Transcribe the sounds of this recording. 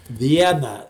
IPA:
ˈʋʲiɛnɑː

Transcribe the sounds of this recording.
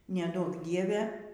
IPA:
nʲɛˈduɔk ˈdʲiɛʋʲɛ

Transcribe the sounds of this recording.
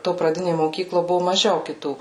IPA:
toː prɐˈdʲɪnʲeː moːˈkʲiːklˠoː ˈbʊʋoː mɐˈʒʲɛʊ kʲɪˈtuː

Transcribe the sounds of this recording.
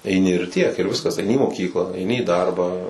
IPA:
ɛɪˈnʲɪ ɪr tʲiɛk ɪr ˈʋʲɪskɐs ɐɪˈnʲɪ iː moːˈkʲiːklˠɑː ɐɪˈnʲɪ iː ˈdɐrbɑː

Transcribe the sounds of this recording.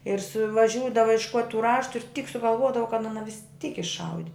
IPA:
ɪr sʊʋɐˈʒʲuːdɐʋɐ ɪʃˈkuɔtʲ tuː ˈrɑːʃtʊ ɪr tʲiːk sʊɡɐlˠˈʋuɔdɐʋɐ kɐt ˈɑːnɐ ʋʲɪsʲˈtʲiːk ɪʃˈɐʊdʲɪ

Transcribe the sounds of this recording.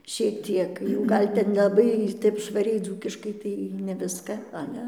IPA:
ʃʲiɛk ˈtʲiɛk jɛʊ ˈɡɐlʲ tʲɛn nʲɛlˠɐˈbɐɪ ˈtʲɛp ʃʋɐˈrʲɛɪ ˈd͡zuːkʲɪʃkɐɪ ˈtɐɪ nʲɛ ˈʋʲɪskɐ ˈɑːlʲɛ

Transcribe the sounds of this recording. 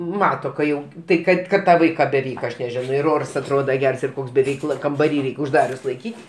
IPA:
ˈmɑːtoː kɐ ˈjɛʊ ˈtɐɪ ˈkɐt kɐt ˈtɑː ˈʋɐɪkɑː bʲɛˈʋʲɛɪk ɐʃ nʲɛˈʒʲæːnoː ɪr ˈoːrs ɐtˈroːdɐ ˈɡʲɛrs ɪr ˈkoːks bʲɛ ˈʋʲɛɪklˠɐ kɐmbɐˈrʲiː ˈrʲɛɪkʲ ʊʒˈdɑːrʲʊs lˠɐɪˈkʲiːtʲ

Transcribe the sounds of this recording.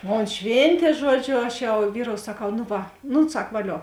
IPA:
ˈmoːn ˈʃʲʋʲeːnʲtʲeː ˈʒuɔd͡ʒʲoː ˈɐʃ jɛʊ ˈʋʲiːroːʊ sɐˈkɐʊ nʊ ˈʋɐ ˈnʊ ˈsɐk ʋɐˈlʲoː

